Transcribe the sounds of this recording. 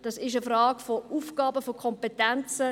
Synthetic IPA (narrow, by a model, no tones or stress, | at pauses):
d̥ɑsɪʃəfrɑːɡ̥fɔufɡ̥ɑːbəfɔkʰɔmpetɛnt͡sə